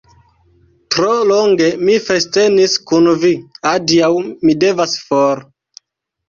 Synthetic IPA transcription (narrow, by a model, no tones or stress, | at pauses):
tɾoloŋɡe̞mifeste̞niskunviadiawmide̞vasfoɾ